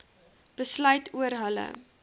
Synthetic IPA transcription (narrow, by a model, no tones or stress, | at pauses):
b̥əslœɥtʰuəɾɦələ̰